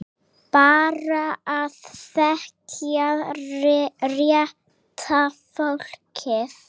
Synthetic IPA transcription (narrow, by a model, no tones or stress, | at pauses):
b̥aːɾaːðθɛkʰja | rja | t̪ʰafɔɬkʰɪθ